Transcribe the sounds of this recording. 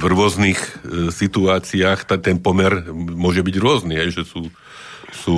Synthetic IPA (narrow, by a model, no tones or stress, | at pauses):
vɾʊɔznixsit̪uaːt͡siaːxt̪at̪ɛnpɔmɛɾmʊɔʒɛbiɟɾʊɔzniɦɛjʒɛsuː | suː